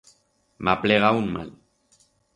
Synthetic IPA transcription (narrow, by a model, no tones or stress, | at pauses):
mapleɣaunma̰l